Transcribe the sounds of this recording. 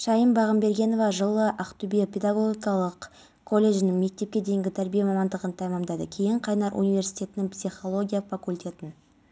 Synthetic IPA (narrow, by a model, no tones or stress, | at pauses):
ʃɑjəmbɑʁəmbe̞ɾɡʲe̞no̞vɑʒəlˠəʔɑqt̪ubiepʰʲe̞d̪aɡoɡʲijkɑlˠəq | kʰo̞lʲːe̞ʒɪnɪŋme̞k̚t̪e̞p̚kʲe̞d̪e̞jŋɡʲɪt̪ʰæɾbijemɑmɑnd̪əʁənt̪ʰɑjmɑmd̪ɑd̪ə̰kʲʰe̞jɪɴqʰɑjnɑɾʔṵnijvʲe̞ɾsi̥jt̪ʲe̞t̪ɪnɪŋpsʲiχo̞lˠo̞ɡʲijafakulʲt̪ʲe̞t̪ɪn